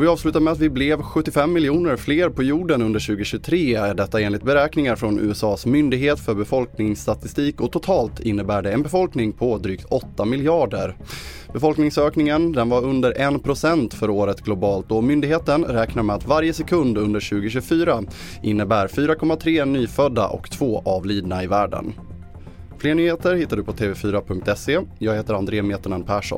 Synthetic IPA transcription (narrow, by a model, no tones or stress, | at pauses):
vɪɑːvslʉ̟ːt̪aɾmɛat̪vɪblɛvɧɵt̪ːɪfɛmːɪljuːnəɾfleːɾpʰɔjuːɖənɵnd̪əɾɕʉ̟ːɡəɕʉt̪ʰɾeːɛɖɛt̪ːaeːnlɪt̪̚bɛɾɛːknɪŋaɾfɾɔnʔʉ̰ːɛsɑːsmʏnd̪ɪɡɦeːt̪fœɾbɛfɔlknɪŋst̪at̪ɪst̪iːkɔt̪ʰʊt̪ʰɑːlt̪ʰɪnːəbæːɖɛɛnbɛfɔlknɪŋpʰɔd̪ɾyːk̚t̪ʰɔt̪ːamɪljɑːɖə̰ɾ | bɛfɔlknɪŋsøːknɪŋənd̪ɛnvaɾɵnd̪əɾʔɛnpʰɾʊsɛnt̪fœɾoːɾət̪ɡlʊbɑːlt̪̚d̪ɔmʏnd̪ɪɡheːt̪ənɾɛːknaɾmɛat̪vaɾjəsɛkʰɵnd̪ɵnd̪əɾɕʉ̟ːɡʊɕʉɡfyːɾaʔɪnːəbæːɾfyːɾakʰɔmːat̪ʰɾeːnyːfœd̪ːa̰ʔɔ̰kt̪ʰv̥oːʔavliːd̪naɪvæːɖə̰n | fleːɳyːheːt̪əɾhɪt̪ːaɖɵpʰɔt̪ʰeːvɛfyːɾapʰɵŋk̚t̪ɛseːjɑːɡheːt̪əɾand̪ɾeːmeːt̪əɳanpʰæːʂɔ̰